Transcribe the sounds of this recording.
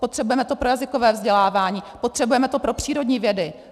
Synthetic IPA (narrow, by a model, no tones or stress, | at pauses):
pot̪r̥ɛbujɛmɛt̪o̞pɾo̞jazɪko̞vɛːvzɟɛlaːvaːɲiːpo̞t̪r̝̥ɛbujɛmɛt̪opɾo̞pr̝̥iːɾo̞dɲiːvjɛdɪ